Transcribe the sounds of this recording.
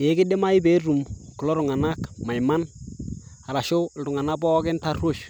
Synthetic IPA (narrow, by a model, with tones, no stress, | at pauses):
je˦ɡɪ˦de˦ma˦i˦be˦ɾu˨mku˨lo˦ɾu˨ŋa˨na˦kma˨jma˦n | a˨ɾa˨ʃo˦lɾu˨ŋa˨na˦bɔ˦ɡɪ˦nta˦ro˦˨ʃ